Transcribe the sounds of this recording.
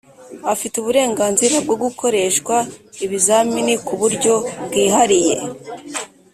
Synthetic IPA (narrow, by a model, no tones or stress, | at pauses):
afituβuɾe̞ːŋɡaːnziɾab̚ɡo̞ɡukʰo̞ɾe̞ːʃkwaiβizaminikuβuɾɟo̞bɡiːɦaɾijḛ